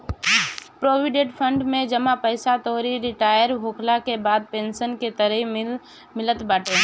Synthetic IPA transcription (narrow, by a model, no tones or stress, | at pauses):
pɾoːwɪɖeːʈpʰə̃ɳɖmẽd͡ʒəmapəɪsat̪ɔːɾiɾɪʈaːjəɾɦoːkʰlakebaːd̪̚pẽːnʃənket̪əɾəi | mɪlət̪baːʈe